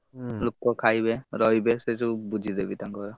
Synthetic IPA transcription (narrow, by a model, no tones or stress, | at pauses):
lukːɔkʰajbeɾɔjbeseʈubud͡ʒʱid̪ebitaŋɡɔɾa